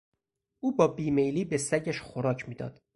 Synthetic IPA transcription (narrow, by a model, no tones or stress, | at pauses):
uːbɒːbiːmejliːbesæɟæʃxoɾɒːcʰmiːd̪ɒ̰ːd̪̥